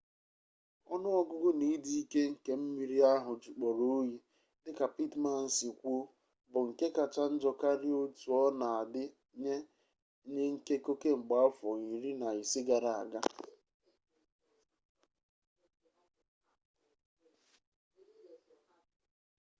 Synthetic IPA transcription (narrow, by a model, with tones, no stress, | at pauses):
ɔ˦nʊ˦ɔ˦ɡʊ˦ɡʊ˦ni˦di˦i˦ke˦ŋ̩˨ke˦m̩˦mi˦ɾi˦a˦ɦʊ˨d͡ʒu˨k͡pɔ˨ɾo˦o˦ji˨ | dɪ˦ka˨pi˦tma˨n̩˨si˨kʷo˦ | bʊ˨ŋ̩˨ke˦ka˨t͡ʃa˦n̩˦d͡ʒɔ˨ka˦ɾɪ˦o˦tu˨ɔ˦na˨a˨dɪ˦ | ɲe˦ | ɲe˦ŋ̩˦ke˦ko˦ke˦ŋ͡m̩˨ɡ͡ba˦fɔ˨ɣi˨ɾi˦na˨i˨sɪ˦ɡa˨ɾa˨a̰˨ɡa˦